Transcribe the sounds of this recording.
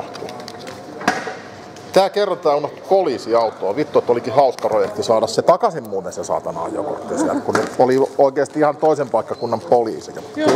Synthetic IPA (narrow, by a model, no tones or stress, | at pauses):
t̪ṵ̥ | t̪æːkerːɑnt̪ɑːunoht̪u̥poliːsiɑut̪ːˑoːʋit̪ːoet̪ːolikihɑuskɑprojekt̪isɑːdɑsset̪ɑkɑsimmuːt̪ːesesɑ̰ːt̪ɑnɑ̰jo̰ko̰t̪ːesiæ̰lt̪kunneolioikeːst̪iihɑnt̪oisempɑikːɑkunːɑmpolḭːsijɑ